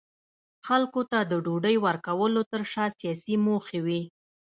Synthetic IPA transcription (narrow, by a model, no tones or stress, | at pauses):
xalkot̪ad̪əɖoɖəjwaɾkawəlot̪əɾʃɑsijɑsimoxewi